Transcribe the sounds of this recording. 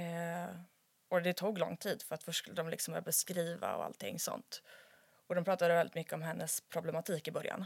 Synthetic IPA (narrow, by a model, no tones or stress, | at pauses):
ɔd̪ɛt̪ʰuːɡlɔ̰ŋːt̪ʰiːd̪fœɾat̪fœʂskɵlːəd̪ɔmlɪksɔmbœːɾjabɛskɾiːva̰ɔ̰a̰lt̪ʰːɪ̰ŋːsɔ̰nt̪ | ɔd̪ɔmpʰɾɑːt̪ad̪əvɛlɪt̪mʏkːəɔmɦɛnːəspʰɾʊblɛmat̪ʰiːkɪbœɾja̰n